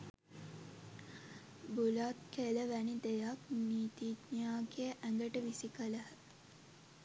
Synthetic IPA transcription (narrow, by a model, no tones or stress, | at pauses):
bulat̪̚keləʋænid̪ejakniːt̪it̪ɲaːɡeəʔæŋɡəʈəʋisikələɦə